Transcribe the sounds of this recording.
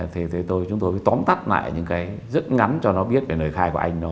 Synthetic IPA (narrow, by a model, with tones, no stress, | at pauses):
t̪ʰe˨˩t̪ʰe˨˩t̪o˧jt͡ɕʊ˨˦ŋ͡mt̪o˧jvəː˨˦t̪wɔ˨˦nt̪a˦˥t̚la̰ː˧˨jɲɨ̰˧˥ŋkaː˨˦jzə˦˥t̚ŋa˨˦nt͡ɕɔ˧nɔ˨˦ɓi˦˥ət̚ve˨˩nəː˨˩jxaː˧jku˧˩ʔa˧jŋ̟nɔ˨˦